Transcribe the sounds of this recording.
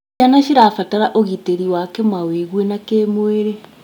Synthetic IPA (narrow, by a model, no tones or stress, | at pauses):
anaʃiɾafataɾaʔoɣiteɾiwakemaweɣwenakeːmweɾe